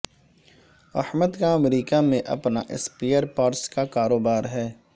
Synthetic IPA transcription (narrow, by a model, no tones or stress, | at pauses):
ɐ̰hməd̪kaɐmɾiːkamẽʔɐ̰pna̰ʔɪ̰speːəɾpaːɾskakaːɾoːbaːɾɦɛː